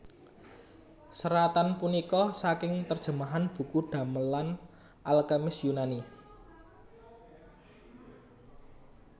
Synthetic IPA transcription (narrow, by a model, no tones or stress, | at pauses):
səɾat̪anpunikɔsakɪŋt̪ərd̥ʒ̥ə̤maɦanb̥ṳkuɖ̪̥a̤məlan | ʔalɡamɪsjunani